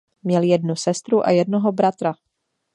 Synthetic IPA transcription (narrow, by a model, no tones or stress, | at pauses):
mɲɛljɛdnusɛst̪ɾuʔa̰jɛdnoɦobɾat̪ɾa